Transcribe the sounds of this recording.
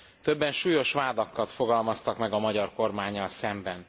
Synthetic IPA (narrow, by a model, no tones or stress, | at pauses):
t̪øbːɛnʃuːjo̞ʃʋaːd̪ɒkːɒt̪fo̞ɡɒlmɒst̪ɒkmɛɡɒmɒɟɒrko̞rmaːɲːɒlsɛmbɛn